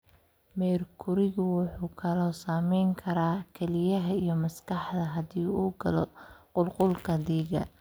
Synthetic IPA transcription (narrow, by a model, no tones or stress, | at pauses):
mɛːrkʰʊɾɪɣʊwʊħuːkʰɐlɔːsaːmɛjŋkʰɐɾaːkʰɛlɪjɐɦɐijɞmɐskɑħd̪ɐɦɐdiːuːɡɐlɔqʊlqʊlkʰɐd̪iːɣɐ̰